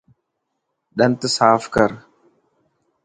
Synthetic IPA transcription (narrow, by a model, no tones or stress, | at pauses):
ɗənt̪əsaːfkəɾ